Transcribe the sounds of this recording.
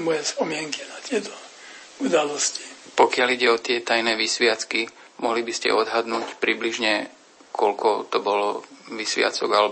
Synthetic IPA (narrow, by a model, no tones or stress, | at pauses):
mɔjɛspɔmɪɛŋkinat̪ɪɛt̪ɔ̥ | ud̪alɔsci̥pɔkɪaliɟɛɔt̪ɪɛt̪ajnɛːʋisʋɪat͡ski | mɔɦlibiscɛ̰ɔd̪ɦad̪nuːcpɾibliʒɲɛ | kʰɔlkʰɔt̪ɔbɔlɔʋisʋɪa̰t͡sɔɡalɛ